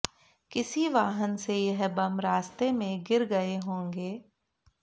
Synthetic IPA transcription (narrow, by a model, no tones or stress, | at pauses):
kɪsiʋaːɦənsejɐɦbɐmɾaːst̪emẽɡɪɾɡɐeɦõːŋɡeː